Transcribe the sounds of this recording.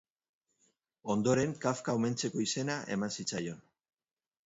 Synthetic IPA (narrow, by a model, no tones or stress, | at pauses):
o̞nd̪o̞ɾe̞ŋkafkaome̞nt͡se̞ko̞ise̞naʔe̞̰mansit͡sajo̞n